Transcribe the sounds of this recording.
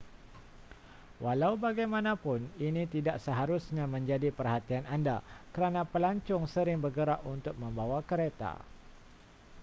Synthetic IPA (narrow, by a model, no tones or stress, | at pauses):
walaubaɡajmãnãpʊninit̪idaʔsəɦaɾusɲãmə̃ɲd͡ʒadipərhat̪iananda̰kəɾanãpəlaɲt͡ʃʊŋsəɾɪŋbərɡəɾaʔunt̪ʊk̚mə̃mbawakəɾet̪a̰